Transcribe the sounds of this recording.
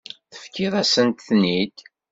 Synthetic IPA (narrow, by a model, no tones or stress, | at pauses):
θə̥fkʰːiðˤæsənt̪θnid̪